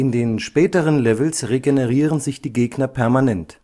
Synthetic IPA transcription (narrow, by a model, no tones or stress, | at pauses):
ʔɪndeːnʃpɛːtəʁənlɛvl̩sʁeɡenəʁiːʁənzɪçd̥iːɡeːɡnɐpʰɛɐmanɛnt